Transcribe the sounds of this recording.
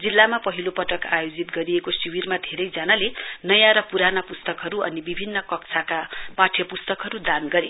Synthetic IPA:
d͡zilːamapʌɦilopʌʈʌkajod͡zit̪ɡʌɾiekosiwirmad̪ʱeɾʌjd͡zanalenʌjãɾʌpuɾanapust̪ʌkɦʌɾuʌnibibʱinːʌkʌkt͡sʰakapaʈʰjʌpust̪ʌkɦʌɾud̪anɡʌɾe

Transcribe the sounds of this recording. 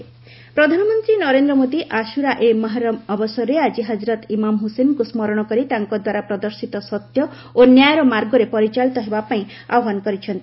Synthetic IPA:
pɾɔd̪ʱanɔmɔnt̪ɾinɔɾend̪ɾɔmod̪iʔaʃuɾaʔemɔɦaɾɔmɔbɔsɔɾead͡ʒiɦad͡ʒiɾɔt̪imamɦusenkusmɔɾɔɽ̃ɔkɔɾit̪aŋkɔd̪waɾapɾɔd̪ɔɾsit̪ɔsɔt̪jɔ | onjajɾɔmaɾɡɔɾepɔɾit͡ʃalit̪ɔɦebapaĩ | a̰ɔɦanɔkɔɾit͡ʃʰɔnt̪ii

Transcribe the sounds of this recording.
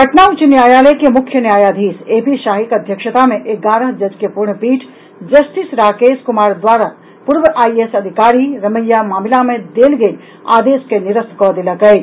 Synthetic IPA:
kəʈnaːʋut͡ʃinjaːjaːlekemukʰːjənjaːjaːd̪ʱiːseːpiʃaːɦikəd̪ʱjəkʃət̪amẽʔekɡaːɾəɦd͡ʒɐd͡ʒkepuɾɳpiːʈʰ | d͡ʒəsʈisɾaːkeːskumaːɾd̪ʋaːɾa | puɾʋəʔaːiesəd̪ʱikaːɾiɾɐməjːamaːmilamẽd̪elɡel | a̰ːd̪eskeniɾəskɔd̪eləkɛ

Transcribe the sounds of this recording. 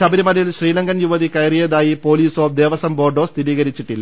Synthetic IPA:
ɐbiɾimɐlɐjilɕriːlɐŋɡɐnjuʋɐðikɐjrijɐðaːjipo̞ːliːsoːpd̪e̞ːʋɐsɐmbo̞ːrɖost̪iɾiːɣɐɾit͡ɕːiʈːilː

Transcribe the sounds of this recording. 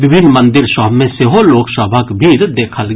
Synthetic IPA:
ʋɪbʱɪnmɐ̃nd̪ɪɾʃɔːmẽseɦoloːksəbʱakbʱiɾd̪eːkʰəlɡ

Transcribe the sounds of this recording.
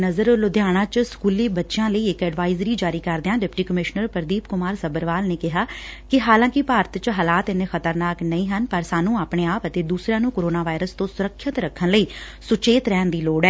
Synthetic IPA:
nəzəɾlʊd̪ɪjaːɽ̃ãːt͡ʃskuːliːbətːʃɪjãːləiːɪkɛːɖʋaːɪzɾiːd͡ʒaːɾiːkəɾd̪eãːɖɪpʈiːkəmɪʃnəɾpəɾd̪iːpkʊmaːɾsəbəɾʋaːlneːkɪɦaːkɪɦaːlãːkɪpaːɾət̪t͡ʃɦəːlaːt̪ɪnẽxət̪əɾnaːknəĩːɦənpəɾsaːnũːaːpɽ̃eːaːpət̪eːd̪uːsɾãːnũːkoːɾoːnaːʋaːɪɾəst̪õːsʊɾəkʰːɪt̪ɾəkʰːənləiː | sʊt͡ʃeːt̪ɾɛːnd̪iːloːɽɛː

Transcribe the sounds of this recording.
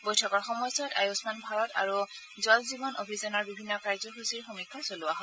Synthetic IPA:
bojtʰɔkɔɹxɔmɔjsɔta̰jusmanbʱaɹɔta̰ɹu | zɔlzibɔnʔobʱizɔnɔɹbibʱinːɔkaɹzɔxusiɹxomikʰːasolʊaɦɔ

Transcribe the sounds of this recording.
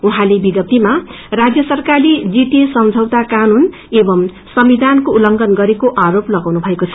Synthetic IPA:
uɦãlebiɡʌp̚t̪ima | rad͡zjʌsʌrkalid͡ziʈesʌmd͡zʱʌwt̪akanun | ebʌm | sʌmbid̪ʱankoulʌŋɡʌnɡʌɾekoʔaɾoplʌɡawnubʱʌekot͡sʰʌ

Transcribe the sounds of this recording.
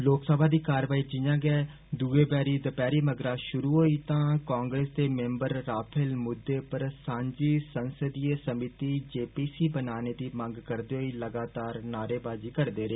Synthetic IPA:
loːksəbãːd̪iːkaːɾʋaːiːd͡ʒɪjãːɡɛː | d̪uːeːbɛːɾiːd̪əpɛːɾiːməɡɾaːʃʊɾuːɦoːiːt̪ãːkãːŋɡɾeːsd̪eːmɛ̃ːmbəɾːaːpʰəlmʊd̪ːeːpəɾsãːɲd͡ʒiːsənsəd̪ieːsəmɪt̪iːd͡ʒeːpiːsiːbənaːneːd̪iːmə̃ŋɡkəɾd̪eːɦoːiːləɡaːt̪aːɾnaːɾeːbaːd͡ʒiːkəɾd̪eːɾeː

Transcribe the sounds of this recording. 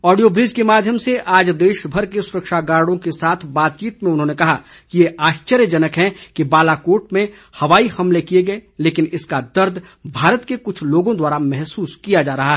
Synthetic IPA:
ɔːɖijoːbɾiːzkemaːd̪ʱjəmseʔaːd͡ʒd̪eːʃbʱɐɾkesʊɾəkʃaɡaːɾɽõkesaːt̪ʰbaːt̪̚t͡ʃiːt̪mẽʊnɦõːnekɐɦa | kijeaːʃt͡ʃəɾjəd͡ʒɐnəkɦɛ̃kibaːlakoːɾʈ̚mẽ | hɐʋaːixɐmlekijeɡɐeleːkɪnɪskad̪ɐɾd̪ʱ | bʱaːɾət̪kekʊt͡ʃʰloːɡõd̪waːɾamɛɦsuːskijad͡ʒaːɾɐɦaɦɛ

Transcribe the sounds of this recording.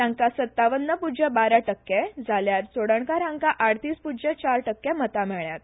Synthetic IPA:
ãŋkasət̪ːaʋənːəpud͡ʑebaɾaʈəkːɛd͡zʱaljaɾt͡soɽəɳkaɾãŋkaʔaɽt̪iːspud͡ʑet͡ɕaɾʈəkːɛmət̪amɛɭjat̪̚

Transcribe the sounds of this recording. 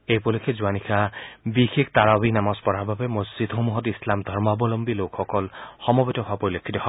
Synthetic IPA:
ejpolikʰezuanikʰabixek̚t̪aɹabinamɔspɔɾababemɔsd͡ʒid̪ɦomuɦɔt̪islamd̪ʱɔɹmabɔlɔmbilokʰːɔkɔlxɔmɔbetɔɦapoɹilekʰːit̪ɔɦɔ

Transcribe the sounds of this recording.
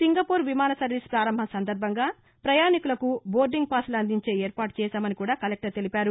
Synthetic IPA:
siŋɡɐpuːɾʋimaːnɐsɐɾʋiːspɾaːɾɐmbʱɐsɐnd̪ɐɾbʱɐŋɡaː | pɾɐjaːnikulɐkubo̞ːɾɖiŋɡ̚paːslɐnd̪iɲt͡ʃe̞ːeːɾpaːʈ̚t͡ʃɛːsaːmɐnikuːɽaːkɐlek̚ʈɐɾt̪e̞lipaːɾu

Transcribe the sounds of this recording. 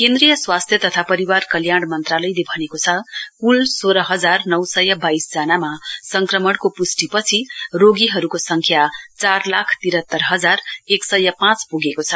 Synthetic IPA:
kend̪rijʌswast̪ʰjʌt̪ʌt̪ʰapʌɾiwarkʌljaɽ̃mʌnt̪ralʌjlebʱʌnekot͡sʰʌkulsoɾʌɦʌd͡zarnʌwsʌjʌbaisd͡zʌnamasʌŋkrʌmʌɽkopusʈipʌt͡sʰiroɡiɦʌɾukosʌŋkʰjat͡sarlakʰt̪iɾɦʌt̪ːʌrɦʌd͡zareksʌjʌpãt͡spuɡekot͡sʰʌ

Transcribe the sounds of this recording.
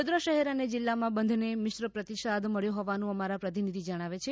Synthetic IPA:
od̪ɾəʃəɦɛɾaned͡ʒɪlːamãbənd̪ʱnemɪʃɾəpɾət̪iʃad̪məɭjũɦɔʋanũəmaɾapɾət̪̬inid̪ʱid͡ʒəɽ̃aʋet͡ʃʰe

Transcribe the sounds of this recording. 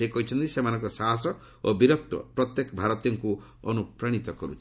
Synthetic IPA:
ekɔɦit͡ʃʰɔnt̪isemanɔ̃ŋkɔsaɦasɔ | obiɾɔt̪ːwɔ̰pɾɔt̪jekɔbʱaɾɔt̪ijɔŋku | ɔ̰nupɾaɽ̃it̪ɔkɔɾut͡ʃʰi̥

